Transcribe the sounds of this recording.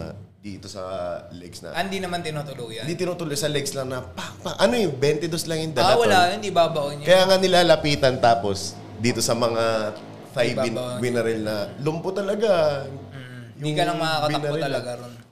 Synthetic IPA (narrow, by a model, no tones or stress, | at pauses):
d̪iːt̪o̞sɐ̰lɛɡsnɐ̰ʔnd̪inɐmant̪ɪnut̪ʊloɡjɐnd̪iːt̪ɪnuːt̪ʊloɡsɐlɛɡ̚slɐŋnɐpapɐʔɐnojɛbɛnt̪ɛd̪oslɐŋjʊnd̪ɐlɐwɐlaːkɐjɐnd̪ibabɐʔoɲkɐjaːŋanɪlaːlɐpiːt̪ɐnt̪aːpo̞s | d̪iːt̪o̞sɐmɐŋa | fajvmɪnɛɾɛlnɐlʊmpot̪ːɐlɐɡa | jʊd̪iŋkɐlɐŋmɐakɐt̪ɐnɛɐlɐɡaɾon